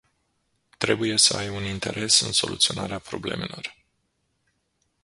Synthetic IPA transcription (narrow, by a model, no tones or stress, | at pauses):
t̪ɾe̞buje̞səajunint̪e̞ɾʔe̞sɨnso̞lʔṵt̪sio̞naɾeapɾo̞ble̞me̞lo̞r